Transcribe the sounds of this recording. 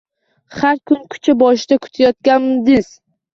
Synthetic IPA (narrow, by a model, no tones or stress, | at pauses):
haɾkʰʊnkʰʊ̥t͡ʃʰabɒʃɪd̪akʰʊ̥t̪ʰajɒt̪̚kʲanmɪd̪ɪz